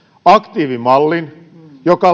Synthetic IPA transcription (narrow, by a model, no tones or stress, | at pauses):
ɑkt̪iːʋimɑlːin | jokɑ